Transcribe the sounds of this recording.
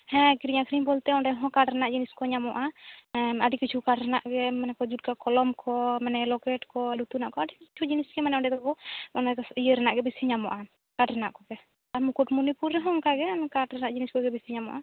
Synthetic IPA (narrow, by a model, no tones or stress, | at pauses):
hɛ̃kiɾiɲakʰɾimbɔlt̪ɛɔ̃ɳɖɛɦɔ̃kaʈɾɛnaʔd͡ʒiniskɔɲamɔʔa | aɖikit͡ʃʰukaʈɾɛnaʔɡɛmanɛkɔd͡ʒuʈ̚kakɔlɔmkʰɔmɛnɛlɔkɛʈkɔɛɖut̪unaʔkɔaɖikit͡ʃʰud͡ʒinisɡɛmanɛɔɖɛt̪ɔkɔɔnɛijəɾɛnaʔɡɛbisiɲamɔ̰ʔa | kaʈɾɛna̰ʔkɔɡɛ | aɾmukuʈmunipuɾːɛɦɔ̃ŋkaɡɛnkaʈɾɛnaʔd͡ʒiniskɔɡɛbisiɲamɔ̰ʔa